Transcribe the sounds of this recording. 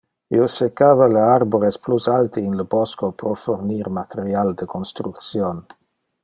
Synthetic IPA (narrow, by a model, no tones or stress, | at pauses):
iosekːaːvaleaɾboɾesplusalt̪iːnləbɔskopɾofoɾniɾmat̪eɾjald̪əkonst̪ɾukt̪sjon